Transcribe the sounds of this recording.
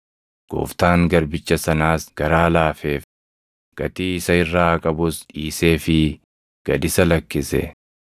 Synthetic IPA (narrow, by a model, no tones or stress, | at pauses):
ɡ̥o̰ːft̪aːŋɡɐɾbɪt͡ʃːɐsɐnaːsɡ̥ɐɾaːlaːfeːf | ɡ̥ɐt̪ʼiːɪsɐɪrːaːkʼɐbʊsᶑiːse̞ːfɪ | ɡ̥ɐd̪ɪsɐlɐkːɪsɛ̰